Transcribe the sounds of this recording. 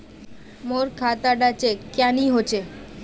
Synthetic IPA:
moɾkʰat̪aɖat͡ɕekaniɦot͡ɕʰe

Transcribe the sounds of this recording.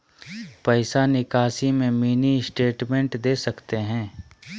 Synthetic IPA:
pəɪsanɪkaːsimẽmiːnisʈeːʈmɛ̃ɳʈd̪eːsɐkt̪eɦɛ̃ː

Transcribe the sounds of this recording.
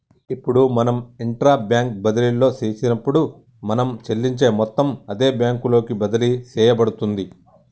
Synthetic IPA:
ipːuɽumɐnɐmiɳʈɾaːbjaːŋk̚bɐd̪ɐlilːo̞ːt͡ʃeːt͡ʃinɐpːuɽu | mɐnɐmt͡ʃelːiɲt͡ʃe̞ːmɔt̪ːɐmɐd̪e̞ːbjaːŋkulo̞ːkibɐd̪ɐlit͡ʃɛːjɐbɐɽut̪und̪i

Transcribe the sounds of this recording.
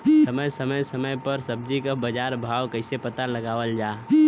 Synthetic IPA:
əməjsəməjsəməjpəɾsəb̚d͡ʒikabəd͡ʒaːɾbʱaːwkəɪsepət̪aləɡaːwəld͡ʒaː

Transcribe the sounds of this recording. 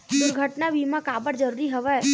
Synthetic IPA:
d̪ʊɾɡʱəʈnabʱiːmãkaːbəɽd͡ʒəɾuːɾiɦəʋɛ

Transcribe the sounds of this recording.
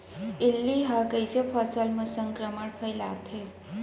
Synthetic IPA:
ilːiɦakəjsepʰɔsalməsəŋkɾəməɳpʰəjlat̪ʰe

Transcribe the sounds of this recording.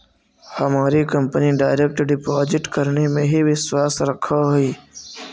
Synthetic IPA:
hɐmaːɾikəmpəniɖaːɪɾek̚ʈɖɪpɔːzɪʈkəɾnemẽɦiʋɪswaːsɾɐkʰaɦuiː

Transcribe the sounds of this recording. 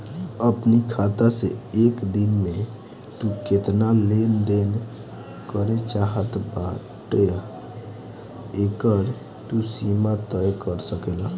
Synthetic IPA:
əpnikʰat̪aseekd̪inme | t̪uket̪nalend̪en | kəɾet͡ʃaɦət̪ba | ʈe | ekəɾ | t̪usimat̪əjkəɾsəkela

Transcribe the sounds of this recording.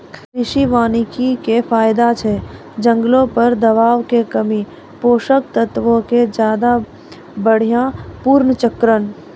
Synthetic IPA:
kʰkɾɪʃiʋaːnikikepʰaːɪd̪at͡ʃʰɛ | d͡ʒə̃ŋɡlõpəɾd̪əβaːʋkekəmi | poːʃəkt̪ət̪ʋõked͡ʒjaːd̪a | bəɽ̤ijãpuːɾnət͡ʃəkɾən

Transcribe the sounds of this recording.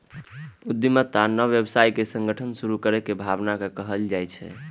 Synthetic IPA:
ud̪ːimət̪ːanəʋjəbsajkesə̃ŋɡəʈʰənsuɾukəɾekebʱabnakekəɦəld͡ʒajt͡ʃʰɛ̰

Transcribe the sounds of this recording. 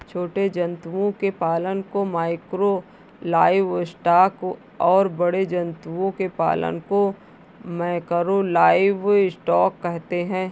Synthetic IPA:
t͡ʃʰoːʈed͡ʒɐ̃nt̪uʋõkepaːlənkomaːɪkɾo | laːɪʋɪsʈaːk | ɔːɾbɐɽed͡ʒɐ̃nt̪uõkepa̰ːlə̰nko | mɛ̃ːkəɾolaːɪʋɪsʈɔːkːɛɦt̪eɦɛ̃ː

